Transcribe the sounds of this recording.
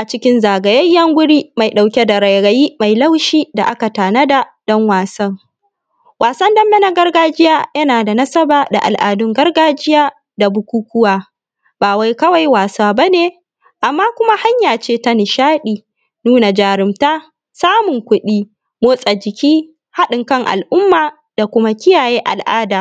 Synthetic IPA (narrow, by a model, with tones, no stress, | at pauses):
ʔa˨t͡ʃɪ˦kʲɪ˦nzaː˨ɡɐ˨jɐ˦jːɐ˦ŋɡʷʊ˦ɽiː˦ma˨jɗa˨wkʲe˦da˨ɾɐ˨jɽɐ˨jiː˦ma˨jla˦wʃiː˦da˨ʔa˦ka˨taː˨nɐ˦da˨dɔ˦ŋwaː˨sɐ˦ŋ | waː˨sɐ˦ndɐ˦mːɛ˦nɐ˦ɡɐ˦rɡaː˦d͡ʒɪ˦jaː˦jɐ˦naː˨da˨nɐ˦sɐ˦baː˨da̰˨ʔa̰˨lʔa̰ː˨dʊ˦ŋɡɐ˦rɡaː˦d͡ʒɪ˦jaː˦ | da˨bʊ˨kʷuː˦kʷʊ˦waː˦ | baː˨wa˦jkɐ˦wa˨jwaː˨saː˦ba˦neː˨ | ʔa˨mːaː˦kʷʊ˦ma˦ha˦ɲjaː˨t͡ʃeː˦ta˦nɪ˨ʃaː˦ɗiː˨ | nuː˦na˨d͡ʒaː˨ɽɪ˨mtaː˦ | saː˦mʊ˨ŋkʷʊ˦ɗiː˦ | moː˦sʼa˨d͡ʒɪ˨kʲiː˦ | ha˦ɗɪ˨ŋkɐ˦ŋʔa̰˨lʔʊ˦mːaː˨ | d̥a˨kʷʊ˦ma˦kʲɪ˦jaː˨jeː˦ʔa̰˨lʔaː˦daː˨